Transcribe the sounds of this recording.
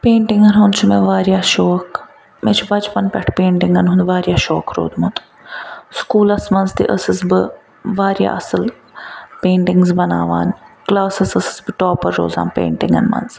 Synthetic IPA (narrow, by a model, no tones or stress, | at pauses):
peːɳʈɪŋɡɐnɦũnd̪t͡ʃʰumɛ̃ːʋaːɾjaːʃoːk | mɛ̰ːt͡ʃʰubɐd͡ʒpɐnpʲɐʈʰpẽːɳʈɪŋɡɐnɦũnd̪ʋaːɾjaːʃɔːkɾo̰ːd̪umɐt̪u̥ | skuːlɐsmɐnzt̪ḭʔɐsɨsbɨ | ʋaːɾja̰ːʔɐsɐl | peːɳʈɪŋɡzbɐna̰ːʋa̰ːnklaːsɐsɐsɨ̥zbɨʈoːpɐɾːo̰ːza̰ːmpḛːɳʈɪŋɡɐ̰nmɐ̰nz